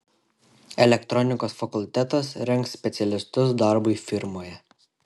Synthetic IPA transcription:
ɛlʲɛkt̪ɾɔnʲɪkoːsfɐkʊlʲt̪ʲɛt̪ɐsɾʲɛŋksʲpʲɛt̪sʲɛlʲɪst̪ʊs̬d̪ɐɾbʊɪfʲɪɾmoːjɛ

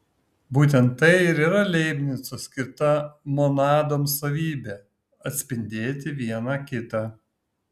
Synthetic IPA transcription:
buːt̪̬ʲɛnt̪ːɐɪɪɾiːɾɐlʲɛɪbʲnʲɪsosʲkʲɪɾt̪ɐmonɑːd̪oːmsɐʋʲiːbʲeː | ɐt̪ʲsʲpʲɪnʲd̪ʲeːt̪ʲɪʋʲiɛnɑkʲɪt̪ɑː

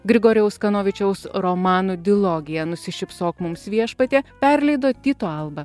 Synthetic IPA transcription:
ɡɾʲɪɡoːɾʲɪjɛʊskɐnoːʋʲɪt͡ʃʲɛʊsɾomɑːnud̪ʲɪlˠoːɡʲɪjɛnʊsʲɪʃʲɪpsoːkmʊmsʋʲiɛʃpɐt̪ʲeːpʲɛɾʲlʲɛɪd̪oːt̪ʲiːt̪oːɐlˠbɐ

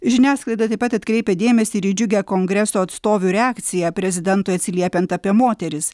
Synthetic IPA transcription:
ʒʲɪnʲæːsklˠɐɪd̪ɐt̪ɐɪpɐt̪ɐt̪ʲkɾʲɛɪpʲɛd̪ʲeːmʲɛsʲiɾʲid͡ʒʲʊɡʲɛkoŋɡɾʲɛsoːɐt̪st̪oːʋʲuːɾʲɛaːkt̪sʲɪjæpʲɾʲɛzʲɪd̪ʲɛnt̪ʊɪɐt̪ʲsʲɪlʲiɛpʲɛnt̪ɐpʲiɛmoːt̪ʲɛɾʲɪs

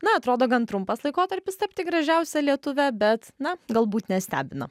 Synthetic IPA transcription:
nɐɐt̪ɾoːd̪oːɡɐnt̪ɾʊmpɐslˠɐɪkoːt̪ɐɾʲpʲɪst̪ɐpʲt̪ʲɪɡɾɐʒʲɛʊsʲɛlʲiɛt̪ʊʋʲæbʲɛt̪nɐɡɐlˠbuːt̪nʲɛsʲt̪ʲæ̰ːbʲɪnɐ̰

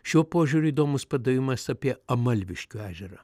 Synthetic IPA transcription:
ʃʲuɔpoːʒʲuɾʲʊiːd̪oːmʊspɐd̪ɐjʲɪmɐsɐpʲiɛɐmɐlʲʋʲɪʃʲkʲuæːʒʲɛɾɐ

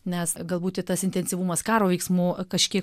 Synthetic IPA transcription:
nʲɛsɡɐlˠbuːt̪ʲɪt̪ɐsɪnʲt̪ʲɛnʲsʲɪʋuːmɐskɑːɾoːʋʲɛɪksmuːkɐʃʲkʲiɛk

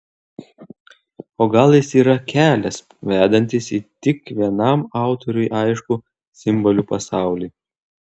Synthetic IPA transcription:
oːɡɐlˠjɪsiːɾɐkʲæːlʲɛs | ʋʲæːd̪ɐnʲt̪ʲɪsiːt̪ʲɪkʋʲiɛnɐmɑˑʊt̪ɔɾʲʊɪʔɑɪʃkʊ | sʲɪmbɔlʲuːpɐsɑˑʊlʲiː

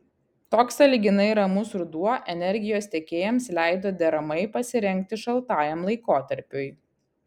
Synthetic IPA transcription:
t̪oːksɐlʲɪɡʲɪnɐɪɾɐmʊsɾʊd̪uɔʔɛnʲɛɾʲɡʲɪjoːsʲt̪ʲɛkʲeːjɛmslʲæˑɪd̪oːd̪ʲɛɾɐmɐɪpɐsʲɪɾʲɛŋʲk̚t̪ʲɪʃɐlˠt̪ɑːjɛmlˠɐɪkoːt̪ɐɾʲpʲʊj

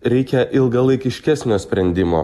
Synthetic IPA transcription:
ɾʲɛɪkʲɛʔɪlˠɡɐlˠɐɪkʲɪʃʲkʲæsʲnʲoːsʲpʲɾʲɛnʲd̪ʲɪmo̰ː

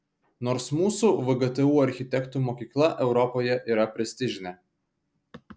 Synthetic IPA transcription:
noːɾsmuːsuːʋɐɡɐt̪ɛuːɐɾʲxʲɪt̪ʲɛkt̪uːmoːkʲiːklˠɐʔɛʊɾɔpoːjɛʔiːɾɐpʲɾʲɛsʲt̪ʲɪʒʲɪnʲɛ

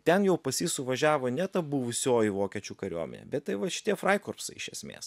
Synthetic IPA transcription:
t̪ʲɛnjɛʊpɐsʲiːsʊʋɐʒʲæːʋoːnʲɛt̪ɐbʊʋʊsʲoːjiʋoːkʲɛt͡ʃʲukɐɾʲṵɔmʲɛ̰nʲḛbʲɛt̪t̪ɐɪʋɐʃʲɪ̥t̪ʲiɛfɾɐɪkoːrpsɐɪɪʃʲɛsʲmʲḛːs

